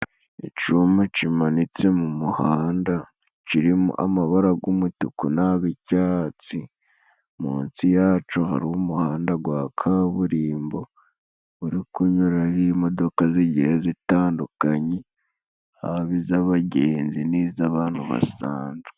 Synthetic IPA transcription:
ḭt͡ʃumucimanit͡se̞mumuhaːnda | t͡ʃiɾimṵʔa̰maβaɾaɡumutukunaβicaːt͡si | muːnsijaːt͡ʃoha̰ɾiwumuhaːndaɡwakʰaβuɾiːmbo̞ | βuɾikuɲuɾahimo̞do̞kaziɟihezitaːndukaɲe | ha̰βizaβaɟeːnziniːzaβaːn̥huβa̰sa̰ːnzu̥

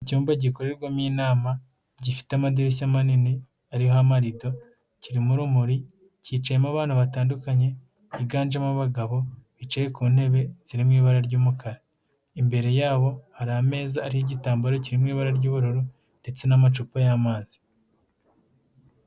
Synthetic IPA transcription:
icuːmbaɟiko̞ɾeɾɡwomiːnaːma | ɟifi̥teamadiɾis̬amanini | aɾihoamaɾido̞ | ciɾimuɾumuɾi | ciːt͡ʃajemaβaːn̥huβataːndukaɲe̞ | iɡaːnd͡ʒamuβaɡaβo̞βit͡ʃejekuːn̥he̞βe̞z̥iɾimŋiːβaɾaɾɟuːmukʰaɾa | imbe̞ɾe̞jaːβo̞haɾaame̞ːzaːɾihiɟitaːmbaɾociɾimŋiːβaɾaɾɟuːβuɾoɾu | nde̞t͡se̞namat͡ʃupajaːmaːzi̥

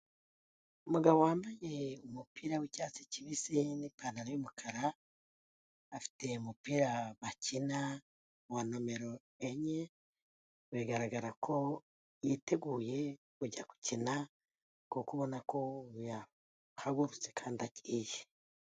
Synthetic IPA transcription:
umuɡaβo̞waːmbajeumupiɾawicaːt͡si̥ciβisinipanaɾojomukʰaɾa | fi̥te̞umupiːɾaβacina | wano̞me̞ɾo̞ | eɲe | βeɡaɾaɡaɾakʰo̞ | jiːte̞ɡuːje | kuɟaku̥cina | kukuβo̞nakʰo̞ja | haɡuɾut͡se̞kʰaːndiaciːje

